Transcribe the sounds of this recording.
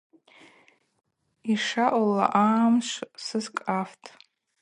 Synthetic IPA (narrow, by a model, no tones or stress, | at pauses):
iʂaʔola̰ʔaːmʂʷsɨzkʼaftʰʼ